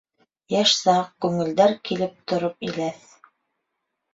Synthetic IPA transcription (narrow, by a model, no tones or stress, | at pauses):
jæʃsɑq̚kʉŋɘ̆ld̪æɾkilɘp̚t̪ŏɾopilæθ